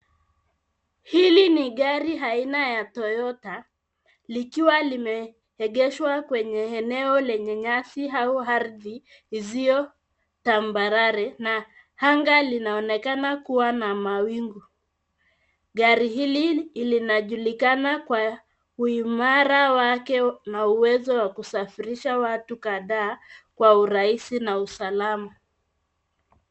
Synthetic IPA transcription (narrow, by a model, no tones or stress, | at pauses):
hiliniɠaɾiɦainajatɔjɔta | likiwalimɛ | hɛɠɛʃwakwɛɲɛɛnɛɔlɛɲɛɲasiɦauaɾðiː | zijɔ | tambaɾaɾɛna | haŋɡalinaɔnɛkanakuwanamawiŋɡu | ɡaɾihililinaʄulikanakwa | uimaɾawakɛnauwɛzɔwakusafiɾiʃawatukaðaːkwauɾaisinausalama